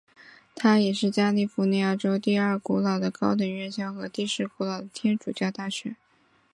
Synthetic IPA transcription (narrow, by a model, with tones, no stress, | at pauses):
t̪ʰa˥jɛ˨˩ʂɻ̩˥˩t͡ɕja˥li˥˩fu˧˥n˧˩a˥˩ʈ͡ʂo˥ʊt̪i˥˧ɐ˞˥˩ku˧˥lɑ˨˩ʊd̪ə˦kɑ˥ʊt̪ə˧˥nɥɛ˥˩nɕjɑ˥ʊxɤ˧˥t̪i˥˧ʂɻ̩˥ku˧˥lɑ˨˩ʊd̪ə˦t̪ʰjɛ˥nʈ͡ʂu˨˩t͡ɕjɑ˥˧ʊt̪a˥˩ɕɥɛ˧˥˦